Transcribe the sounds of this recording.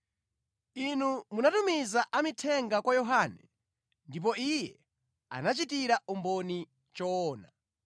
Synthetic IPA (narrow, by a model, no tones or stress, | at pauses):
inumunatumizaʔamitʰɛŋɡakwajɔɦaːnɛ̰ | ndip̬ɔijɛ | a̰nat͡ʃitiɾaʔumbɔni | t͡ʃɔːna̰